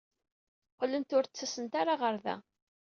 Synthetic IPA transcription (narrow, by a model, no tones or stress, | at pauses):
qlənt̪ʊɾt͡sːæsənt̪aɾaʁəɾðæ̰